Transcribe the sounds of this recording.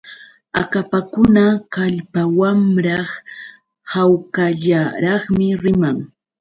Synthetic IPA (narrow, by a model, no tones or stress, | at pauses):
a̰kapakʊnakaʎpawamɾɑχ | hawkaʎaɾɑχmɪɾɪmaŋ